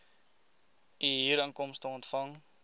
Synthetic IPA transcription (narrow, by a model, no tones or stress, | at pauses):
iɦiːɾəŋkɔmstəɔntfɐŋ